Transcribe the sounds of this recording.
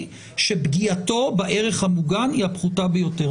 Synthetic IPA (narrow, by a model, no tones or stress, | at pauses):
ʃe̞bɡiato̞baʔe̞ʁeχhamuɡaniapχutabejo̞te